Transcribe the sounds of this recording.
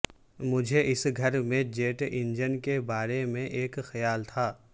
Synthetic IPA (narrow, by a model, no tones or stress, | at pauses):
mʊd͡ʒʱeʔɪsɡʱɐɾmẽd͡ʒeːʈɪ̃nd͡ʒənkebaːɾemẽʔeːkxɐjaːlt̪ʰaː